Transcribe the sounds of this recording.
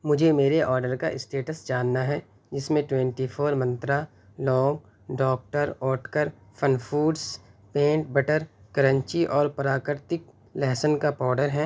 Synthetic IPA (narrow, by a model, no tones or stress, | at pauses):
mʊd͡ʒʱemeːɾeʔɔːɾɖəɾkaʔɪsʈeːʈəsd͡ʒaːnːaɦɛː | d͡ʒɪsmẽʈwɛ̃ɳʈifʰoːɾmɐ̃nt̪ɾa | lɔ̃ːŋɡ | ɖɔːk̚ʈəɾɔːʈkəɾ | fʰənfuːɖspẽːɳʈ̚bɐʈəɾkɐɾə̃ɲt͡ʃiʔɔːɾpɐɾaːkəɾt̪ɪk | lɛːsənkapɔːɾɖəɾɦɛː